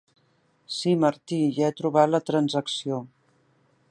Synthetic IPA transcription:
siməɾt̪iʒɛt̪ɾuβ̞at̪lət̪ɾənzəksio

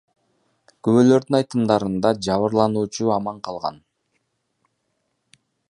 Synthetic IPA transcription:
køβøːlø̞ɾd̪ynɑjt̪ɯmd̪ɑɾɯnd̪ɑd͡ʒɑβɯɾlˠɑnuːt͡ʃuɑmɑɴqʰɑlˠʁɑ̰n

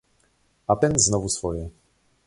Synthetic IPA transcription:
at̪ɛnznɔvusfɔjɛ

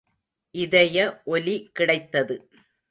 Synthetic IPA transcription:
ʔɪðɐjɐʔɔlikːɪɽɐɪt̪ːɐðɯ

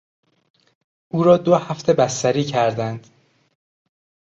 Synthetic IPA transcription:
ʔuːɾɒːd̪ohæft̪ʰe̞bæst̪æɾiːcʰæɾd̪ænd̪̥

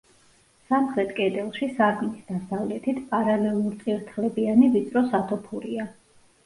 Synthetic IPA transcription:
samχɾɛt̪ʰʼkʼɛd̪ɛlˠʃisaɾɡnisd̪asavlɛt̪ʰit̪ʰpʼaɾalɛlˠuɾt̪sʼiɾt̪ʰlɛbianivit̪sʼɾɔsat̪ʰɔpʰuɾia

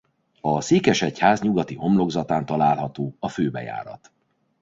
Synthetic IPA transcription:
ɒseːkɛʃɛchaːzɲuɡɒt̪io̞mlo̞ɡzɒt̪aːnt̪ɒlaːlɦɒt̪oːɒføːbɛ̰ja̰ːɾɒ̰t̪

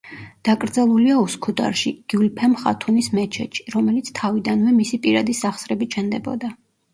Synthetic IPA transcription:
d̪̥akʼɾd̪zalˠuliauskʰud̪a̰ɾʃiɡ̥iulpʰɛmχa̰t̪ʰunismɛt͡ʃʰɛ̰t͡ʃʰi̥ɾɔmɛlit̪sʰt̪ʰavid̪anvɛmisipʼiɾad̪isaχsɾɛbit͡ʃʰɛnd̪ɛbɔ̰d̪a

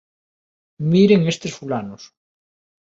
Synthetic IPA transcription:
miɾeŋest̪esfulanos

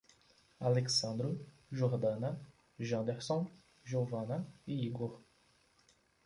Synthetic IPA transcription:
aleksɐ̃d̪ɾu | ʒoɾd̪ɐ̃na | ʒɐ̃d̪eʁsõ | ʒovɐ̃naeiɡoɾ

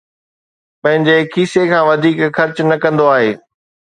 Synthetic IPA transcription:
pɐ̃ɦɪ̃ɲd͡ʑekʰiːsekʰãːʋɐd̪ʱiːkxɐɾt͡ɕʊnɐkɐ̃nd̪oaːɦeː

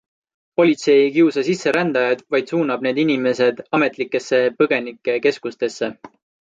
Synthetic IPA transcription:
po̞lʲit̪se̞jkiusɑsisːe̞ɾænd̪̥ɑjɑd̪̥vɑjd̪̥suːnɑb̚ne̞ːd̪inime̞se̞d̪̥ɑme̞t̪ˑlikːˑe̞sːe̞pɤɡ̥e̞nikːˑe̞ke̞skust̪e̞sːe̞

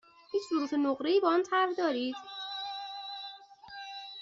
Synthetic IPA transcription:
hiːt͡ʃʰzuɾuːt̪ʰenoɣɾeiːbɒɔnt̪ʰæɾhd̪ɒːɾiːd̪̥

